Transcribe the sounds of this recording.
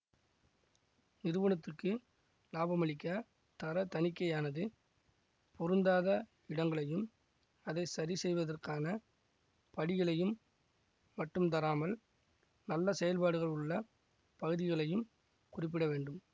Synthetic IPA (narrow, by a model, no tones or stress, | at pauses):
nɪɾɯʋɐɳɐt̪ːɯkːɯ | laːbɐmɐɭɪkːa | t̪ɐɾɐt̪ɐnɪkːɐjaːnɐðɯ | pʰɔɾɯnd̪aːðɐ | ɪɽɐŋɡɐɭɐjɯm | ɐðɐɪsɐɾisɛjʋɐðɐrkaːnɐ | pɐɽɪɣɐɭɐjɯmː | ɐʈːɯmt̪̬ɐɾaːmɐl | nɐlːɐsɛjɐlpaːɽɯɣɐɭʊɭːɐ | pɐɣɯðɪɣɐɭɐjɯm | kʊrɪpːɪɽɐʋeːɳɖɯm